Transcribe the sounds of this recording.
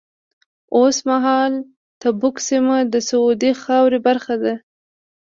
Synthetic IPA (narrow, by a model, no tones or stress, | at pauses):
osmaɦɑl | t̪abʊksimad̪əsaud̪ixɑwɾebaɾxad̪a